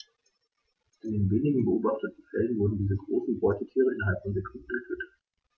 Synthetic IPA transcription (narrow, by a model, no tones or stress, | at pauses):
ʔɪndeːnveːnɪɡŋ̩bəʔoːbaχtətn̩fɛlənvʊɐdn̩diːzəɡʁoːsn̩bɔʏtətʰiːʁəɪnɦaltnɔndɛkʁuk̩ɛføtət